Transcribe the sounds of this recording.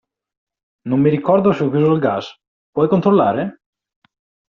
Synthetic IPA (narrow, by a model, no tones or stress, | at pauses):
nomːiɾikɔrd̪oseɔkjuzolɡas | pwɔjkont̪ɾolːaːɾe